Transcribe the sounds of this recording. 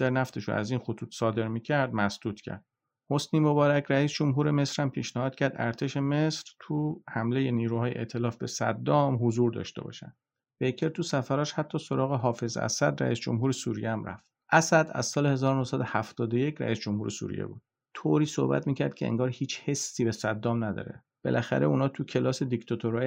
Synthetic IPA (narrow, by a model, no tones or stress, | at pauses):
d̪̥æɾnæft̪ʰeʃo̰æ̰ziːnxot̪ʰuːt̪ʰsɒːd̪e̞ɾmiːcʰæɾd̪̚mæsd̪̥uːt̪ʰcʰæ̰ɾd̪̥̚ | hosniːmobɒːɾæcʰɾæiːsd͡ʒo̞mɦuːɾe̞me̞sɾæmpʰiːʃnæhɒːd̪̚cʰæɾd̪æ̰ɾt̪ʰeʃe̞mesɾ̥t̪ʰuhæmle̞je̞niːɾuhɒːjeʔḛʔt̪ʰe̞lɒːfbe̞sæ̰d̪ːɒːmɦozuːɾd̪ɒ̰ːʃt̪e̞̰bɒ̰ːʃæ̰nd̥̪ | bejkʰeɾt̪ʰusæfæɾɒːʃhæt̪ʰːɒːso̞ɾɒːɣeɦɒːfe̞zæ̰sæd̪ɾæ̰ḭsd͡ʒo̰mɦuːɾesuɾijeæmɾæ̰ft̪ | ʔæsæd̪æ̰z̥sɒːlehe̞zɒːɾonohsæd̪ohæft̪ɒːd̪ojecʰɾæ̰isd͡ʒomhuːɾesṵːɾḭjḛbṵːd̪̥ | t̪ʰoːɾiːso̰hbæ̰t̪miːcʰæɾd̪̚cʰe̞ḛŋɡɒːɾhiːt͡ʃʰhe̞sːiːbesæd̪ːɒːmnæd̪ɒ̰ːɾe̞̰ | b̥e̞̰lʔæxæ̰ɾe̞unɒːt̪ʰucʰe̞lɒːsed̪ikt̪ʰɒt̪ʰoɾɒː